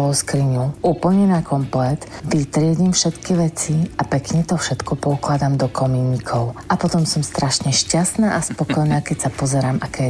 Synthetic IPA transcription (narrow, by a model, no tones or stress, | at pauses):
ɔskɾiɲuʔuːpl̩ɲɛnakɔmplɛt̪ | ʋit̪ɾɪɛɟimfʃɛt̪kiʋɛt͡siapɛkɲɛt̪ɔfʃɛt̪kɔpɔuklad̪amd̪ɔkɔmiɲikʰɔʊʔapɔt̪ɔmsɔmst̪ɾaʃɲɛʃcast̪naːʔaspɔkɔjnaːkɛcsapɔzɛɾaːmʔakɛː